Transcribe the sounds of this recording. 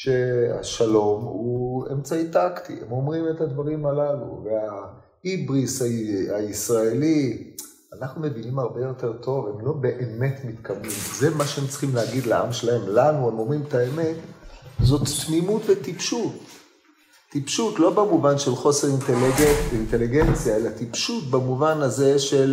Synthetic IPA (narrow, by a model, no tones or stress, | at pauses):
ʃe̞a̰ʃalo̞muḛmt͡saitaktḭḛmo̞mʁimethad̪vaʁimalalṵvea | ibʁisaaisʁaeli | anaχnume̞vinimaʁbe̞jo̞t̪e̞ʁt̪ʰo̞ve̞mlo̞be̞ʔeme̞t̪mit̪kabmimzemaʃeemt͡sχimleaɡid̪laʔa̰mʃelae̞mlanue̞mo̞mʁimet̪aeme̞t̪zo̞t̪ːmimutvet̪ipʃutː | ipʃutlo̞bamuvanʃe̞lχo̞se̞ʁintelint̪e̞liɡent͡sjae̞lat̪ipʃutbamuvanaze̞ʃe̞l